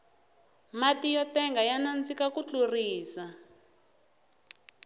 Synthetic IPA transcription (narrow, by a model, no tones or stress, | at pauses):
matijɔtɛŋɡajanand͡zikakut͡ɬuriːsa